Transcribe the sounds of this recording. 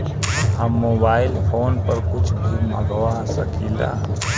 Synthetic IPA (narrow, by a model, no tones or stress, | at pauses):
ɦəmːobailpʰoːnpəɾkʊt͡ʃʰd̪ʱumə̰ɡəwasəkila̰